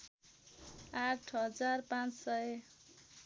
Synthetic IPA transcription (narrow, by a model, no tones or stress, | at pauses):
aʈʰɦʌd͡zarpãt͡ssʌj